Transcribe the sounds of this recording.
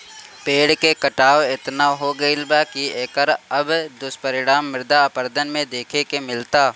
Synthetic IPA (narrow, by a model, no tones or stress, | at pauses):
peːɽkekɐʈaːʋɪt̪naɦoɡɐɪlbakieːkəɾɐbd̪ʊspɐɾɪɽaːmːɪɾd̪apəɾd̪ənmẽd̪eːkʰekemɪlt̪aː